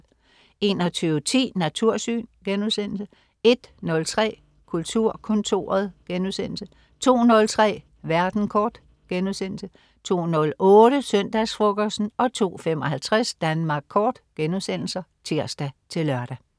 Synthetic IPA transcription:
e̝ːnɒt͡sʰyːʊət͡sʰḭːnæt͡sʰuɐ̰sy̰ːnɡ̥enuðˠsen̰l̩sə | e̝d̥nɔ̽lt͡sʰʁɛ̰ː | kʰult͡sʰuɐ̰kʰɔ̽nt͡sʰo̝̰ɐð̞ˠɡ̥enuðˠsen̰l̩sə | t͡sʰo̝̰ːnɔ̽lt͡sʰʁɛ̰ː | ʋæɐd̥n̩kʰɒːd̥ | ɡ̥enuðˠsen̰l̩sə | t͡sʰo̝̰ːnɔ̽lɔ̽ːɾ̥əsœn̰d̥æsfʁɔ̽ɡ̥ɐsn̩ɒ̽t͡sʰo̝̰ːfemɒ̽hælt͡sʰʁasd̥ænmɑ̈ːɡ̥̚kʰɒːd̥ɡ̥enuðˠsen̰l̩sɐt͡sʰiɐ̰sd̥æt͡sʰe̝lɶɐɾ̥æ

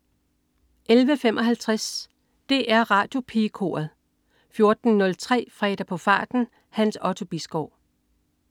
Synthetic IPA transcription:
ʔelʋəfemʔɒ̽ɦælt͡sʰʁas | d̥e̝ʔæɐʁɑ̈ːd̥jo̝pʰikʰo̝̰ːɐð̩ˠ | fjo̝ɐd̥n̩nɔ̽lt͡sʰʁɛ̰ːfʁɛːd̥ɐpʰɒ̽fɑ̰̈ːd̥n̩ | hænsɒ̽t͡sʰo̝b̥isɡ̥ɒʊ̰

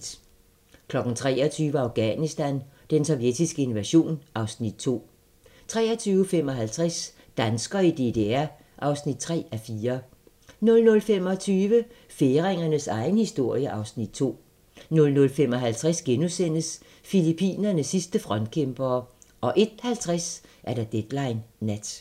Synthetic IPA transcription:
kʰlɒ̽ɡ̥n̩t͡sʰʁɛ̰ːɐt͡sʰyːʋəɑ̈ʊɡ̥ænisd̥ænd̥ensɒʊjed̥isɡ̥əe̝nʋæɕo̝̰ːnʔɑ̈ʊsnid̥̚t͡sʰo̝̰ː | t͡sʰʁɛ̰ːɐt͡sʰyːʊəfem̰ɒ̽ɦælt͡sʰʁas | d̥ænsɡ̥ɐid̥e̝d̥e̝æɐ | ʔɑ̈ʊsnid̥̚t͡sʰʁɛ̰ːæfiːɐ | nɔ̽lnɔ̽lfem̰ɒ̽t͡sʰyːʋə | fe̝ːʁeŋɐnəsɑ̈ɪn̩hisd̥o̝ɐ̰jəʔɑ̈ʊsnid̥̚t͡sʰo̝̰ː | nɔ̽lnɔ̽lfemɒ̽ɦælt͡sʰʁasɡ̥enusen̰əs | filipʰḭːnɐnəsisd̥əfʁɒ̽nd̥̚kʰemb̥ɐːʔɒ̽ʔe̝d̥hælt͡sʰʁasʔæɐd̥æd̥ed̥lɑ̈ɪnːæd̥

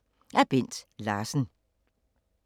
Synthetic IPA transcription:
æɐb̥en̰d̥lɑ̈ːsn̩

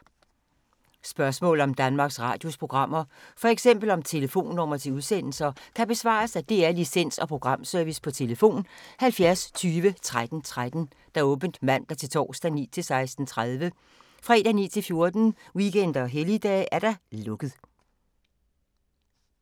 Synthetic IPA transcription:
sb̥ɶɐsmɔ̰̽ːl̩ˠɒ̽md̥ænmɑ̈ːɡ̥sʁɑ̈ːd̥jo̝spʰʁo̝ɡ̥ʁɑ̈m̰ɐfɒ̽eɡ̥sem̰b̥l̩ɒ̽mt͡sʰe̝ləfo̝̰ːnːɔmɐt͡sʰe̝uð̞ˠsen̰l̩sɐkʰæb̥e̝sʋɑ̰̈ːsæd̥e̝æɐlisen̰sɒ̽pʰʁo̝ɡ̥ʁɑ̈m̰sœɐʋispʰɒ̽t͡sʰe̝ləfo̝̰ːnhælfjæɐst͡sʰyːʋət͡sʰʁad̥n̩t͡sʰʁad̥n̩ | d̥ɑ̈ɔ̽ːb̥ən̩d̥mæn̰d̥æt͡sʰe̝lt͡sʰɒ̰ːsd̥ænḭːt͡sʰe̝lsɑ̈ɪsd̥n̩t͡sʰʁað̞ˠʋə | fʁɑe̝d̥ænḭːt͡sʰe̝lfjo̝ɐd̥n̩wiɡ̥en̰d̥ɐɒɦelid̥ɛ̰ːʔæɐɾ̥ɑ̈lɔ̽ɡ̥ð̩ˠ

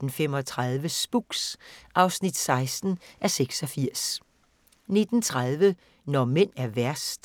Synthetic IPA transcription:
d̥n̩fem̰ɒ̽t͡sʰʁɑðˠʋəsb̥uɡ̥sʔɑ̈ʊsnid̥sɑ̈ɪsd̥n̩ʔæɐseɡ̥sɒ̽fiɐ̰s | ne̝d̥n̩t͡sʰʁað̞ˠʋə | nɒmen̰æɐʋæɐsd̥

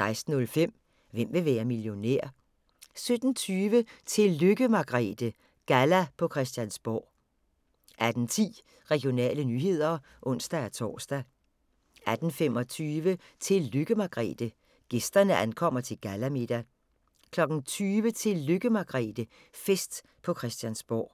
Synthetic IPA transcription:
sɑ̈ɪsd̥n̩ɔ̽lfem̰ | ʋem̰ʋe̝ʋɛːɐmiljo̝nḛɐ̰ | sød̥n̩t͡sʰyːʋət͡sʰe̝lːøɡ̥əmɑ̈ɡ̥ʁɛ̰ːd̥ə | ɡ̥ælæpʰɒ̽kʰʁɛsd̥jænsb̥ɒ̰ː | ʔæd̥n̩t͡sʰḭː | ʁɛɡ̥jo̝nɛ̰ːlənyːɦe̝ð̰ˠɐ | ʔɔ̽n̰sd̥ææt͡sʰɒ̰ːsd̥æ | æd̥n̩femɒ̽t͡sʰyːʋət͡sʰe̝lːøɡ̥əmɑ̈ɡ̥ʁɛ̰ːd̥ə | ɡ̥e̝sd̥ɐnəʔænkʰɒ̽m̰ɐt͡sʰe̝lɡ̥ælæme̝d̥æ | kʰlɒ̽ɡ̥n̩t͡sʰyːʋət͡sʰe̝lːøɡ̥əmɑ̈ɡ̥ʁɛ̰ːd̥ə | fesd̥ | pʰɒ̽kʰʁɛsd̥jænsb̥ɒ̰ː

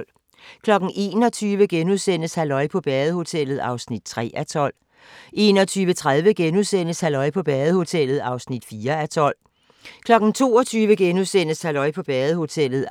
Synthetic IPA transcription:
l | kʰlɒ̽ɡ̥n̩ʔe̝ːnɒ̽t͡sʰyːʋəɡ̥enuðˠsen̰əshælɒ̽ɪpʰɒ̽b̥ɛːð̩ˠəho̝t͡sʰel̰ð̩ˠɑ̈ʊsnid̥̚t͡sʰʁɛ̰ːʔæt͡sʰɒ̽l̰ | e̝ːnɒt͡sʰyːʋət͡sʰʁað̞ˠʋəɡ̥enuðˠsen̰əshælɒ̽ɪpʰɒ̽b̥ɛːðˠho̝t͡sʰel̰ð̞̩ˠɑ̈ʊsnid̥fiːɐæt͡sʰɒ̽l̰ | kʰlɒ̽ɡ̥n̩t͡sʰo̝̰ːɒt͡sʰyːʋəɡ̥enuðˠsen̰əshælɒ̽ɪ̰pʰɒ̽b̥ɛːð̩ˠəho̝t͡sʰel̰ð̞̩ˠ

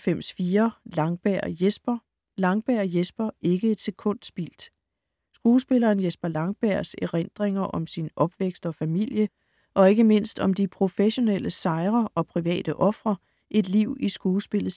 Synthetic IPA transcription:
fem̰sfiːɐlɑŋb̥æɐ̰jesb̥ɐ | lɑ̈ŋb̥æɐ̰jesb̥ɐe̝ɡ̥əe̝d̥se̝kʰɔ̽n̰d̥sb̥ḭld̥ | sɡ̥uːsb̥e̝lɐːnjesb̥ɐlɑ̈ŋb̥æɐ̰seʁend̥ʁeŋɐʔɒ̽msinʔɒ̽b̥ʋeɡ̥sd̥ɒ̽fæmil̰jə | ʔɒ̽e̝ɡ̥əme̝n̰sd̥ɒ̽md̥ipʰʁo̝feɕo̝nel̰ʔəsɑ̈ɪʁɐɒ̽pʰʁiʋɛ̰ːd̥əʔɒ̽fʁɐ | ʔe̝d̥liʊ̰isɡ̥uːsb̥e̝lð̩ˠ

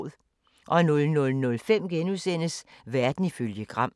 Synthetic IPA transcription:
ðˠ | ʔɒ̽nɔ̽lnɔ̽lnɔ̽lfem̰ɡ̥enuðˠsen̰əsʋæɐd̥n̩iføljəɡ̥ʁɑ̈m̰

